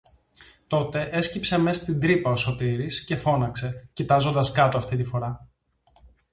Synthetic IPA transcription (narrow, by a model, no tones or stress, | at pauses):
t̪o̞t̪e̞ʔe̞scipse̞me̞st̪ind̪ɾipɐo̞so̞t̪iɾisce̞fo̞nɐkse̞cit̪ɐzo̞nd̪ɐskɐt̪oɐft̪it̪ifo̞ɾɐ